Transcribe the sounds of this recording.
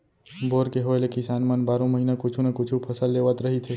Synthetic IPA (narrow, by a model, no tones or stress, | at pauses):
boɾkeɦoelekɪsanmənbaɾõməɦinakʊt͡ʃʰunəkʊt͡ʃʰupʰəsəlːeʋət̪ɾəɦit̪ʰe